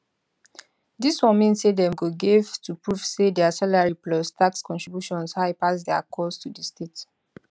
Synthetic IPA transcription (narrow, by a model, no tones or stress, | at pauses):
diswɔ̃nmĩnsedɛ̃mɡoɡevtʰupɹuv̥sedɛasalaɹiplɔstʰakskɔ̃ntɹibjuʃɔ̃nshaɪpasdɛakʰɔstʰudəstet